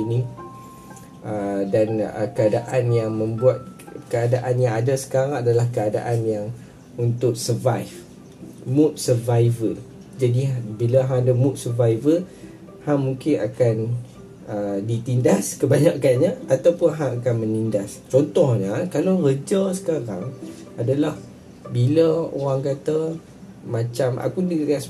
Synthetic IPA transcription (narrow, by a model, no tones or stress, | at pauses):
ini | ədanə̰kəadaʔanjaŋmə̃mbuat̪̚kəadaʔanjaŋadasə̥kaɾãŋadalahkəada̰ʔanjaŋ | unt̪ʊk̚səvajf | mũt̪̚səvaivəl | d͡ʒadibilaɦãdamũt̪̚sərvaivəl | haŋmuŋkɪna̰kan | ədit̪indaskəbaɲaʔkanɲaat̪awpʊnɦaŋakanmənindast͡ʃɔnt̪ɔhɲəkalarəd͡ʒasə̥kaɾaŋ | adalah | biləo̰ɾaŋkat̪ə | mãt͡ʃamʔa̰kudias